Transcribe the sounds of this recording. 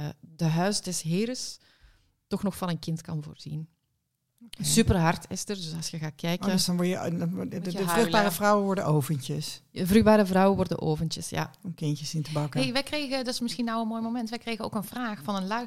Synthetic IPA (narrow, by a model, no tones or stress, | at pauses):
dəɦœɥsdɛsɦɪːɾəs | tɔxnɔxfɑnənkɪntkɑnvo̰ːrz̥ḭn | sypərɦɑrtʰɪstərdøsɑsjəɣaːt̚kʰɛjkəsdɑnʋɔɹjə | əvrøɣbaːɾəvrɔwənʋɔɹdəʔowvəncəsəvryɣbaːɾəvrɔwənʋɔrdə̰nʔo̰ːvəntəsja̰ɔmkɪncəsɪntəbɑkəɦeʋɛjkrejɣədtɪ̥smɪsxinawənmoːjmomɛntʋɛjkrejɣəno̰ːkənvraːxfɑnənla